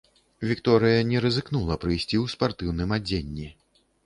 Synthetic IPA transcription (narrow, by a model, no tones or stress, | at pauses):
vʲikt̪ɔɾɨjɐnʲɛɾɐzɨkn̪ulˠɐpɾɨjsʲt͡sʲiwspart̪ɨwn̪ɨmad͡zʲenʲːi